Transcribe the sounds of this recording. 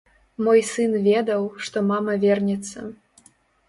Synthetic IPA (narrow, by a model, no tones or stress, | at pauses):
mojsɨnvʲed̪ɐwʂt̪ɔmɑmɐvʲernʲɛt̪sːɐ̰